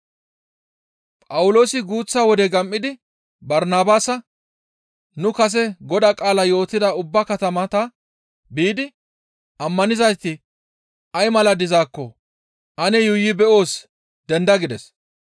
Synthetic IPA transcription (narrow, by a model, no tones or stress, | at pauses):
pʼɐwʊlo̞ːsɪɡuːt͡sːaːwɔd̪ɛɡɐmʔːɪd̪ɪ | bɐɾnaːbaːsɐ | nʊkɐs̬ɛɡɔd̪akʼaːlɐjo̞ːt̪ːɪd̪ɐʊbːɐkɐt̪ɐmɐt̪ɐ | biːd̪ɪ | ɐmːɐnɪzɐjt̪ːɪ | ʔɐjmɐlɐd̪ɪzaːkːɔ | ʔɐnɛjʊjːɪbɛʔo̞ːs | d̪ɛnd̪ɐɡɪd̪ɛs